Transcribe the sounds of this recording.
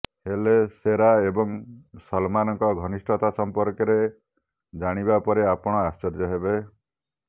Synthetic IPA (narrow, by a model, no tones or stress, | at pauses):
heleseɾaebɔŋsɔlmanɔŋkɔɡʱɔnisʈʰɔt̪asɔmpɔɾkɔɾe | d͡ʒaɽ̃ibapɔɾeapɔɽ̃ɔast͡ʃɔɾd͡ʒɔɦebe